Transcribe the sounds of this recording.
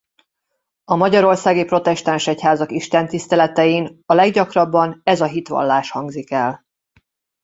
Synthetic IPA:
ɒmɒɟɒɾo̞rsaːɡipro̞t̪ɛʃt̪anʃɛchaːzɒkiʃt̪ɛnt̪ist̪ɛlɛt̪ɛjiːnɒlɛɡɟɒkrɒbːɒnɛzɒɦit̪ʋɒ̰lːaːʃhɒŋɡzikɛl

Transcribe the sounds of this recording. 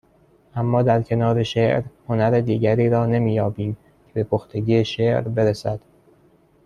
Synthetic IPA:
ʔæmːɒːd̪æɾcʰe̞nɒːɾe̞ʃeʔɾho̞næɾed̪iːɟæɾiːɾɒːne̞miːjɒːbiːm | cʰe̞be̞pʰoxt̪ʰe̞ɟiːeʃeʔɾbe̞ɾesæd̪̥

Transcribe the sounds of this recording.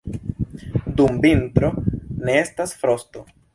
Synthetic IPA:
dumbintɾo̞ne̞e̞stasfɾo̞sto̞

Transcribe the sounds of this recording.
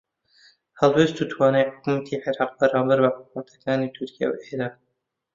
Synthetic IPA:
hɛlbest̪ut̪ʰwɑːnejħʊ̥kumat̪ʰiːʕeɾɑːq̚bɐɾɑːmbæɾbɐħʊkmat̪ʰḁkɑːniːt̪ʰʊɾkʰija̰wʔeɾɑː

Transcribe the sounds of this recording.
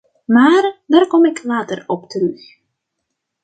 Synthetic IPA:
maːrdaːrkɔmɪkʰlaːtərɔptərɵx

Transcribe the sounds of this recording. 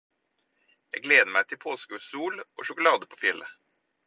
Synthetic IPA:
jæɡleːd̪əmæɪt̪ʰɪpʰoːskʉsuːlʔo̰ːʃʊkʊlɑːd̪əpʰoːfɪlʔə

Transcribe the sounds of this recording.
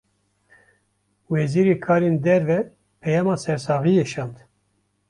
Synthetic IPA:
wɛziːɾeːkʰɑːɾeːnd̪ɛɾvɛ | pʰɛjɑːmɑːsɛɾsɑːɣijeʃɑːnd̪

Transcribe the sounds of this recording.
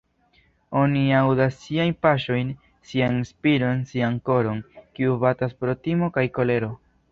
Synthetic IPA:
o̞niawdasːiajnpaʃo̞jn | sianspilo̞nsianko̞ɾo̞nkiubataspɾo̞timo̞kajko̞le̞ɾo̞

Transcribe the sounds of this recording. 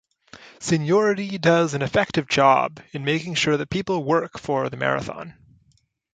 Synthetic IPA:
sɨ̃njɔɹɨɾidʌzɨ̃nɨfɛk̚tɨvd͡ʒɑ̰bɨ̃nmeɪkɪ̃ŋʃʊɹðɨt̚pʰipl̩ˠwɜ˞kfə˞ðɨmɛ̰ɹɨ̰θɑ̰̃n

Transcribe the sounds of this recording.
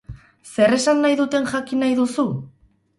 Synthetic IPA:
se̞re̞sanːajðut̪e̞nʝakinajðusu

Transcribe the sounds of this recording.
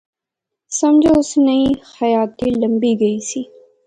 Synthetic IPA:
sɐmd͡ʒoʊsnəĩxɐjaːt̪ilə̃mbiɡɐiːsiː

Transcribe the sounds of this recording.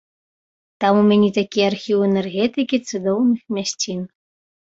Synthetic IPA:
t̪ɑmumʲænʲit̪akʲiarxʲiwenerɣʲet̪ɨkʲit̪t͡sɨd̪ownɨxmʲæɕʲt͡sʲin

